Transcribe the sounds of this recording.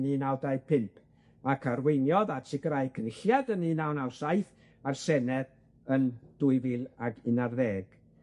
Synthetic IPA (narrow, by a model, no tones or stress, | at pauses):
niːnawdajpʰɪmpʰ | akʰarwejnjɔðatʰɪɡɾajkʰnɪɬjadəniːnawnawsajθ | arsɛnɛð | ənd̥ʊɨvɪlˠaɡɪnarðɛːɡ̥